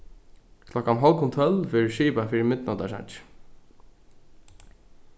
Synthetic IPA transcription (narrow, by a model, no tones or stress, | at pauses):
kʰlɔkanɦɔlkʰʊnt̪ʰœlfɛɹɪʃiːpafiːɾɪmɪt̪nad̪a̰ʂa̰nt͡ʃ